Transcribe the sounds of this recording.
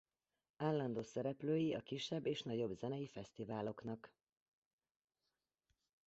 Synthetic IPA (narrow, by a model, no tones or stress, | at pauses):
aːlːɒnd̪oːsɛɾɛpløːjiɒkiʃːɛbːeːʃnɒɟo̞bzɛnɛjifɛst̪ivaːlo̞knɒk